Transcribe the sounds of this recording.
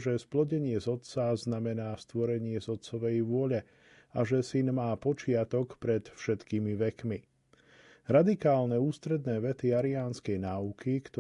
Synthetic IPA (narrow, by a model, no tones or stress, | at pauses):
ʒɛsplɔɟɛɲɪɛzɔt̪t͡saznamɛnaːst̪ʋɔɾɛɲɪɛzɔt̪sɔʋɛjʋʊɔʎɛ | aʒɛsinmaːpɔt͡ʃɪat̪ɔkpɾɛt̪fʃɛt̪kiːmiʋɛkmi | ɾad̪ikaːlnɛuːst̪ɾɛd̪nɛːʋɛt̪iaɾiaːnskɛjnaːukʰikt̪ɔ